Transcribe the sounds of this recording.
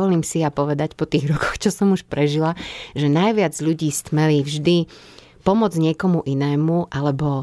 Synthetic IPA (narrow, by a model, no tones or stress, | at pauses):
ɔliːmsijapɔʋɛd̪acpɔt̪iːɣɾɔkɔ̥xt͡ʃɔsɔmuʃpɾɛʒilaʒɛnajʋɪad͡zʎuɟiːst̪mɛlivʒd̪i | pɔmɔd͡zɲɪɛkɔmuʔinɛːmuʔalɛbɔ